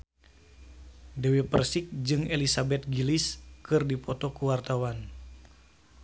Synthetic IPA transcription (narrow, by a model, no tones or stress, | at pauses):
dɛwipərsɪk̚d͡ʒɨŋelisabɛt̪̚ɡiliskɨrdipɔt̪ɔkuwart̪awan